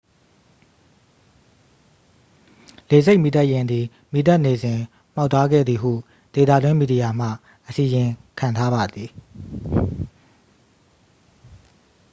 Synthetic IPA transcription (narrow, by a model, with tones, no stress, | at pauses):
le˨ze˦ɪʔmi˨t̪a˦ʔjɪ̃˨nd̪ði˨ | mi˨t̪a˦ʔne˨zɪ̃˨ | m̥a˦ʊt̪ʰːa˦ɡɛ̰˦˨d̪ði˨ɦṵ˦˨ | d̪̥e˨d̪ä̰˦˨dwɪ̃˦mi˨di˨ja˨m̥ä̰˦˨ | ʔəsi˨jɪ̃˨kʰã˨ntʰa˦ba˨d̪ði˨